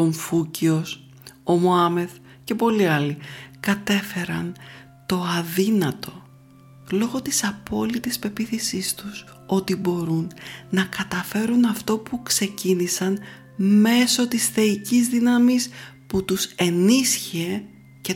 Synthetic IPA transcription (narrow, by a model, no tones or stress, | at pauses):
o̞ɱfucio̞s | o̞moɐme̞θ | ce̞po̞liɐlikɐt̪e̞fe̞ɾɐ̰n | t̪o̞ɐðinɐt̪o̞ | lo̞ɣo̞t̪isɐpo̞lit̪ispe̞piθisist̪us | o̞t̪ibo̞ɾunːɐkɐt̪ɐfe̞ɾunɐft̪o̞pukse̞cinisɐn | me̞so̞t̪isθe̞icizðinɐmisput̪use̞nisçie | ce